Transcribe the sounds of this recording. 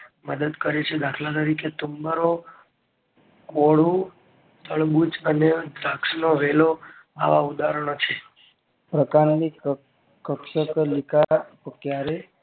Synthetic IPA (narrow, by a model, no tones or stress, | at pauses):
məd̪əd̪kəɾet͡ʃʰed̪ʱakʰlat̪̬əɾikʰet̪umbəɾo | koɭũ | t̪əɭbut͡ʃəned̪ɾaksnoʋelo | a̰ʋaud̪aɾəɳ̃ot͡ʃʰe | pɾəkaɾni | kːəkʃəklikʰapokjaɾe